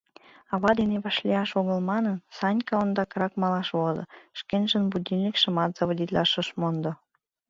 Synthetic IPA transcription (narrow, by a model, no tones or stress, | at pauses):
ɑβɑd̪eneβɑʃlʲiɑʃoɣəlmɑnənsɑnʲkɑond̪ɑkəɾɑkmɑlɑʃβozɤ̰ʃkenʲʒə̆nbud̪ʲilːʲikʃə̆mɑt̪z̥ɑβodʲit̪lɑʃə̆ʃmond̪o